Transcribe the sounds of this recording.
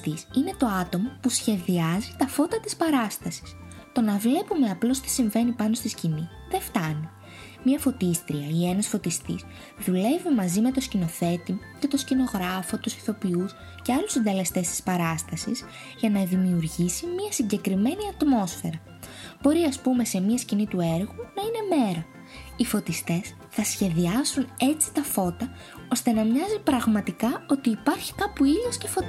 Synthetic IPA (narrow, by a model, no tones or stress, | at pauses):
t̪isine̞t̪o̞ɐt̪o̞mopusçe̞ðiɐzit̪ɐfo̞t̪ɐt̪ispɐɾɐst̪ɐsi̥s | t̪o̞nɐvle̞pume̞ɐplo̞st̪i̥siɱve̞nipɐno̞st̪isciniðe̞ft̪ɐni | mɲɐfo̞t̪ist̪ɾiɐie̞nɐsfo̞t̪ist̪ḭs | ðule̞vimɐzime̞t̪o̞scino̞θe̞t̪imoce̞t̪o̞scino̞ɣɾɐfo̞t̪usi̥θo̞pius | ce̞ɐlusind̪e̞le̞st̪e̞st̪i̥spɐɾɐst̪ɐsḭz | ʝɐnɐðimiuɾʝisimiɐsiɲɟe̞kɾime̞niɐt̪mo̞sfe̞̰ɾɐ | b̥o̞ɾiɐspume̞se̞miɐscinit̪ue̞ɾɣunɐine̞me̞ɾɐ | ifo̞t̪ist̪e̞s | θɐsçe̞ðiɐzune̞t͡si̥t̪ɐfo̞t̪ɐ | ost̪e̞nɐmɲɐzipɾɐɣmɐt̪ikɐo̞t̪iːpɐɾçi̥kɐpuiðjosce̞fo̞t̪